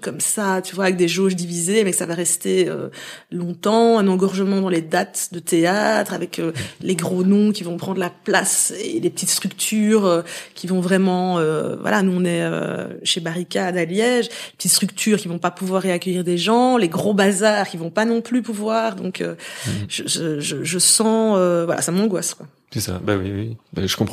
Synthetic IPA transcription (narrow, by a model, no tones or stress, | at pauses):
kɔmsat̪yvwavɛk̚d̪eʒoʒd̪ivizemɛksavaʁɛst̪eø̰lɔ̃t̪ɑ̃ɛ̃nɑ̃ɡɔʁʒəmɑ̃d̪ɑ̃led̪at̪d̪ət̪eat̪χavɛkʰøleɡʁonɔ̃kʲivɔ̃pχɑ̃d̪ʁəlaplasḛlepə̥t̪it̪st̪χykt̪ʰyːʁøkʲʰivɔ̃vʁɛmɑ̃øvwa̰lanuɔ̃nɛø̰ʃebaʁikʲad̪aljɛʒepət̪it̪st̪χykt̪ʰyːʁkʲivɔ̃papuvwaʁːeakʲœjiʁd̪eʒɑ̃leɡʁobazaːʁkʲivɔ̃panɔ̃plypuvwaːʁd̪ɔ̰̃kʰø̰ʒ̥əʒəʒəʒəsɑ̃øvwalʔa̰samɑ̃ɡwaskwa | sɛsa̰bawiwiba̰ʒəkɔ̃pχ